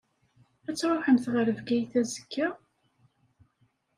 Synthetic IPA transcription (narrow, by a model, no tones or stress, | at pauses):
æt͡sːɾˤoħəmθʁəɾəvɡæjθæzə̥kʰːə